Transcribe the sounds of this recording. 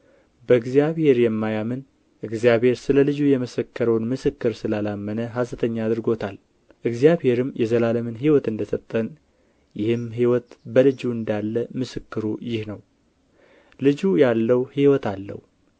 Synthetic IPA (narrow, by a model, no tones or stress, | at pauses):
bəɨɡzijaβhe̞ɾjɛmːajamɨn | ʔɨɡzjaβhe̞ɾsɨləlɨd͡ʒujɛməsəkʰːəɾəwnmɨsɨkːɨɾsɨlalamːənəɦasɨt̪ʰəɲːaːd̪ɨɾɡo̞t̪ʰal | ʔɨɡzijaβhe̞ɾɨmjɛzəlaləmɨnɦiwɔt̪ɨnd̪əsət̪ʼːən | jɪhɨmɦiwɔt̪bəlɨd͡ʒuɨnd̪alːəmɨsɨkːɨɾujɪhnəw | lɨd͡ʒujalːəwhiwɔt̪alːə̰hu